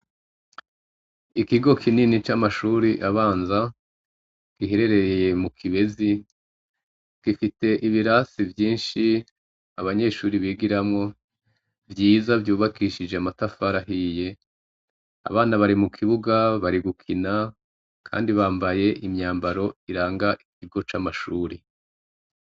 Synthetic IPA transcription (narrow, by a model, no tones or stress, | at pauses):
ikiɡo̞kʰininit͡ʃamaʃuːɾiʔaβaːnza | kiɦeɾe̞ɾe̞eje̞mukʰiβe̞zi | kifite̞ʔiβiɾasivjiːnʃi | aβaɲe̞ːʃuːɾiβiːɡiɾamŋo̞ | vjiːzavjuːβakiʃid͡ʒeamatafaɾaɦije̞ | a̰βaːnaβaɾimukʰiβuɡaβaɾiɡukʰina | kʰa̰ːndiβaːmbaje̞ʔimɲaːmbaɾo̞iɾaːŋɡaʔiciɡo̞t͡ʃaːmaʃuːɾi